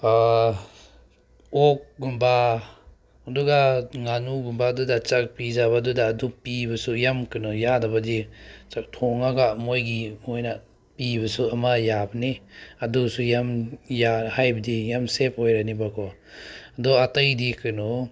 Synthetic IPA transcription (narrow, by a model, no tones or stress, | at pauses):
a | ok̚ɡumbaː | duɡaŋanuɡumbadudat͡ʃak̚pizaβadudaːdupibɐsujamkɯnɔjadabadit͡ʃak̚tʰɔŋaɡamojɡimojna | pibɐsuamajabɐniadusujamjahajbɐdijamsep̚hojɾanibakʰɔ | aduatɐjdikɯnɔ